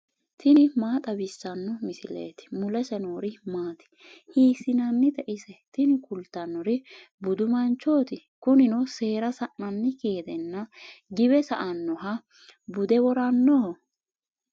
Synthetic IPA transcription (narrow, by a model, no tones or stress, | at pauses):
t̪ɪnɪmaːt̪ʼɐbɪsːɐnːɔmɪsɪlḛːt̪ɪ̥mʊlɛsɛnoːɾɪmaːt̪ɪ̥ | hiːsɪnɐnːɪt̪ɛʔɪsɛt̪ɪnɪkʊlt̪ːɐnːɔɾɪbʊd̪ʊmɐnt͡ʃːo̞ːt̪ɪ | kʊnɪnɔse̞ːɾɐsɐʔːɐnːɪkeːd̪ɛnːɐɡɪbɛsɐʔɐnːɔɦɐ | bʊd̪ɛwɔɾɐnːɔhɔ